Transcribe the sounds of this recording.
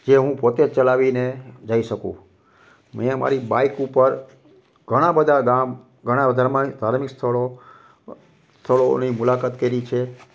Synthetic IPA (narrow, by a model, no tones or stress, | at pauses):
d͡ʒeɦũpot̪et͡ʃəlaʋined͡ʒaiʃəkṵ̃ | mema̰ɾiba̰ikupəɾ | ɡʱəɽ̃ãbəd̪ʱaɡam | ɡʱəɽ̃abəd̪ʱaɾmãd̪ʱaɾmikst̪ʰəɭo | st̪ʰəɭonimulakat̪keɾit͡ʃʰe